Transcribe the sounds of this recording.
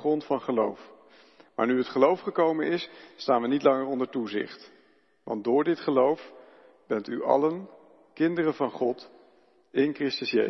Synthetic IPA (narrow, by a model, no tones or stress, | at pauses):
χrɔntfɑnχəlowf | ma̰ːɹnyətχəlowfχəkowmə̰nɪsːtaːnʋənitlɑŋərɔndəɹtuzɪ̰χt | ʋɑ̰ndʊːɹdɪtχəlowf | b̥ɛntyʔɑ̰lən | kɪndərənvɑnχɔt | ɪnkrɪstəsjḛ